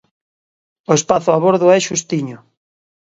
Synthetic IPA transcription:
oespaθʊaβoɾðʊɛʃust̪iɲʊ

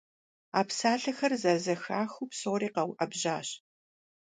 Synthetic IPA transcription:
aːpsaːɬɐxɐrzɐzɐxaːxuːpsoːɾiːqɐwʔɐbʑaːɕ

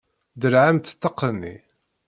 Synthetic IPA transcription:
d̪əɾʕamt̪t̪ːəqːənːḭ

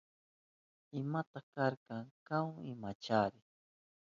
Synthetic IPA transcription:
ɪmat̪akaɾkaŋkawɪmat͡ʃaɾɪ

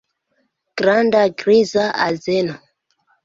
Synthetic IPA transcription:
ɡ̥ɾandaɡɾizaʔazeno

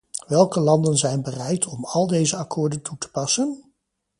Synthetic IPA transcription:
ʋɛlˠkəlɑndənzɛjnbərɛjtʰɔmɑlˠdejzəɑkʰʊːɹdəntutə̥pɑsən

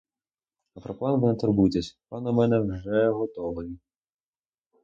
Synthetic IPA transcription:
ɐpɾɔplˠɑnʋɪnɐt̪ɔrbujt̪ʲesʲp̪ɑnɔmɛnɛwʐɛɦɔt̪ɔʋɔji

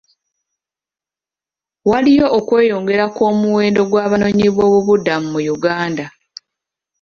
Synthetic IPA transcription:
walijo̞ʔːkwe̞ːjo̞ːŋɡe̞ɾako̞ːmuwe̞ːndo̞ɡwaːβano̞ːɲiβwo̞ːβuβudamumujuɡaːnda

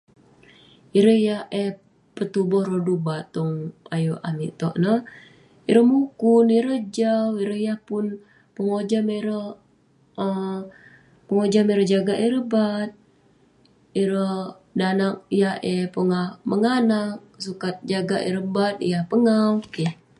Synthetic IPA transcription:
iɾəjahɛ | pət̪ubɔhrədubat̪ːɔŋa̰jua̰mḭʔt̪ɔʔnəh | iɾəhmukuniɾəd͡ʒawiɾəhjahpun | pəŋod͡ʒamiɾəh | ə | pəŋod͡ʒameɾəd͡ʒaɡaʔiɾəbat̪̚ | iɾə | danak̚jahepuŋahməŋanak̚sukat̪̚d͡ʒaɡaʔḭɾəbat̪̚ḭjahpəŋawkɛh

